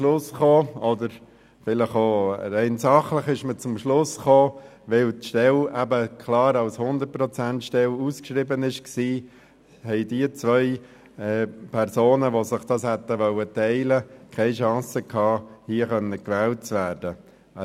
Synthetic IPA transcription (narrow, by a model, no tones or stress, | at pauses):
lʊsχoːɔdəɾ | fɪləχoɾɛɪnsɑχləχɪʃmət͡sʊmʃlʊsχoː | ʋɪltʃtɛlæbəkʰlɑːɾɑlshʊnd̪ət̚pɾɔt͡sæntʃtɛluskʃɾibənɪʃksiː | hɛɪdiət͡sʋœʏ | ɛːpʰɛɾsoːnəʋosɪχd̥ɑshɛt̪əʋœlətɛɪləkʰɛɪʃɑ̃ːsəkʰɑːhiəχœnːəkʋɛːlt̚t͡sʋæːɾdə